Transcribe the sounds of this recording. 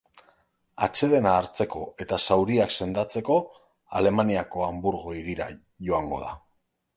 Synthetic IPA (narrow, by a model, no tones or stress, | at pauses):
a̰t͡ʃe̞ðe̞naːɾt͡se̞ko̞e̞t̪asawɾiakse̞nd̪at͡se̞ko̞ | a̰le̞maniako̞ambuɾɣo̞iɾiɾa̰ | ʝo̞aŋɡo̞̰ð̞a̰